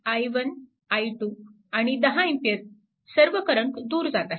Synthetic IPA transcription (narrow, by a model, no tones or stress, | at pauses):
ajʋən | ajʈu | aɽ̃id̪əɦãimpjət̪̚ | səɾʋəkəɾəɳʈd̪uːɾd͡zat̪a